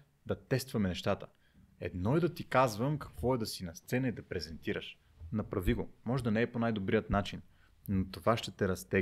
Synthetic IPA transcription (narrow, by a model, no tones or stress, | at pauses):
d̪ɐt̪ɛst̪vɐmɛnɛʃt̪at̪ə̥ | ɛ̰d̪nɔɛd̪ɐt̪ikazvəmkɐ̥kvɔɛd̪ɐsinɐst̪sɛnɐid̪ɐpɾɛzɛnt̪iɾəʃ | nɐpɾɐviɡomɔʒɛd̪ɐnɛːponajd̪obɾijət̪nat͡ʃinː | ot̪ovaʃt̪ɛt̪ɛɾɐst̪ɛ